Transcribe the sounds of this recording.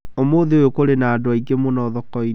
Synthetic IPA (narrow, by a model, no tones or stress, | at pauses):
omoðeojokoɾenaːdoaiɡemonɔðɔkɔi